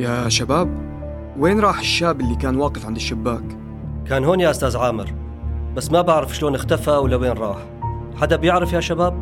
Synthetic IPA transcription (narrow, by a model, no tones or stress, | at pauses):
jaʃabaːb̚ | weːnɾˤɑːħɪʃːaːbɪlːikaːnwɑːqɪfʕɪnd̪ɪʃːɪbːaːk | kaːnɦoːnjaʔʊst̪aːzʕaːmɪ̰ɾ | basːmabaʕɾɪfʃloːnɪxt̪afawɪlːaweːnɾˤɑ̰ːħ | ħad̪abjɪʕɾɪfjaʃabaːb̚